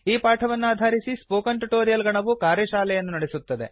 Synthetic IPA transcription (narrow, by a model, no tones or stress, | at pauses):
iːpaːʈʰɐʋɐnːuaːd̪ʱaːɾisispoːkɐɳʈuʈoːɾijɐlɡɐɳɐʋukaːɾjɐʃaːlɛjɐnːunɐɽesut̪ːɐd̪e̞̰